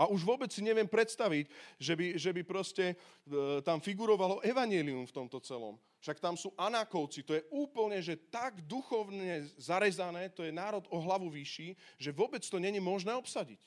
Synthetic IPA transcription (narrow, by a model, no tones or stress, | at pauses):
aʔuʒʋʊɔbɛt͡ssiɲɛʋɪɛmpɾɛt̪st̪aʋicʒɛbiʒɛbipɾɔscɛ | t̪amfiɡuɾɔʋalɔʔɛʋaɲɪɛliumft̪ɔmt̪ɔt͡sɛlɔ̰m | fʃakt̪amsuːʔanakɔʊt͡sit̪ɔjɛuːpl̩ɲɛʒɛt̪aɡd̪uxɔʊɲɛzaɾɛzanɛːt̪ɔjɛnaːɾɔd̪ɔɦlaʋuʋiʃiːʒɛʋɔbɛt͡st̪ɔɲɛɲimɔʒnɛːɔpsaɟḭc